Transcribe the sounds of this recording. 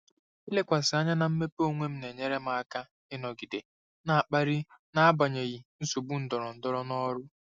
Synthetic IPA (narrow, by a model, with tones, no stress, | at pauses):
i˦le˦kʷa˨sɪ˨a˦ɲa˦na˨m̩˦me˦po˦ŋʷe˦m̩˦ne˨ɲe˦ɾe˦ma˨a˦ka˦ | ɪ˦nɔ˨ɡi˨de˨ | na˨a˨k͡pa˦ɾi˦na˦a˦ba˨ɲe˨ɣi˨n̩˦so˨bu˦n̩˦dɔ˨ɾɔ˨n̩˨dɔ˦ɾɔ˦nɔ˦ɾʊ˦